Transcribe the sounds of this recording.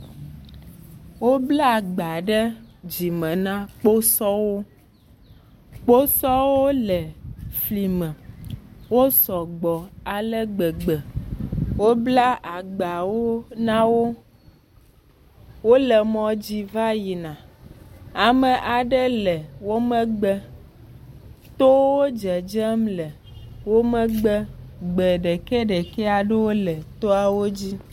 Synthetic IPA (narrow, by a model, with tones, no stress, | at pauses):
wo˦bla˦˨ɡ͡ba˨ɖə˦d͡ʑi˨mɛ̃˨nã˦k͡po˦sɔ˦wo˦ | k͡po˦sɔ˦wo˦lɛ˨fli˨mɛ̃˨ | wo˦sɔ˨ɡ͡bɔ˨a˨lə˦ɡ͡bə˨ɡ͡bə˨ | wo˦bla˦ʔa˨ɡ͡ba˨wo˦nã˦wo˦ | wo˦lɛ˨mɔ̃˨d͡ʑi˦va˦ji˨nã˨ | a˨mə˨ʔa˨ɖə˦lɛ˨wo˦mə̃˦ɡ͡bə˦ | t̪o˦wwo˦d͡ʒɛ˨d͡ʒə˦mlɛ˨ | wo˦mə̃˦ɡ͡bə˦ɡ͡bɛ˨ɖe˨ke˦ɖe˨ke˦a˨ɖe˦wo˦lə˨t̪o˦a˨wo˦d͡ʑi˦